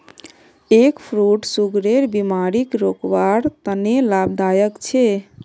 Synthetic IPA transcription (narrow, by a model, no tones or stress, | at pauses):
ekpʰɾuʈsuɡɾeɾbimaɾikɾokwaɾt̪ənelabd̪ajəkt͡ʃʰe